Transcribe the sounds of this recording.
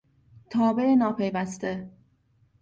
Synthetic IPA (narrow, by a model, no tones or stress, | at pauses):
t̪ʰɒːbe̞enɒːpʰe̞jvæst̪e